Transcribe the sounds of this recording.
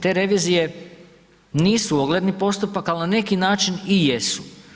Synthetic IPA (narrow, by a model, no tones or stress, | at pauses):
t̪e̞ɾe̞ʋiːzije̞ | niːsuoɡle̞d̪nipo̞st̪upakalinane̞kinaːt͡ʃinije̞su̥